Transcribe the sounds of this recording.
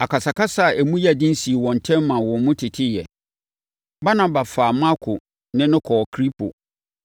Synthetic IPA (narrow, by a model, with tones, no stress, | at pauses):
a˨ka˨sa˨ka˦sa˦˨ʔæ˨mũ˦ja˦˨dĩ˦n˦si˨e˨wɔ̃˨n̩˨tʰɛ̃˦mːã˨wɔ̃˨nmʊ̃˦tʰɪ˨tʰɪ˦jɛ˨ | ba˦nã˨ba˨faː˨ma˦kʰʊ˨ | nɪ̃˦nʊ̃˦kʰɔ˨kʰɾi˦pʰo̰˨